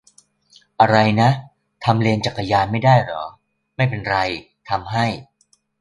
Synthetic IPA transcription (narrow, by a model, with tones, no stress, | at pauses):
ʔa˧ɾa˧jna˦˥ | t̪ʰa˧mli˧nt͡ɕaː˨˩kːa˧jaː˧nma˥˩jdaː˥˩jɾɔ̰ː˩˦ | ma˥˩jpe˧nɾa˧j | t̪ʰa˧mɦa˥˩j